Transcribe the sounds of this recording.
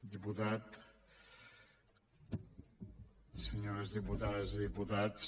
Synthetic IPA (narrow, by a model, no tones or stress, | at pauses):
d̪iput̪at̪ | səɲoɾɐzðiput̪aðɐziðiput̪at̪s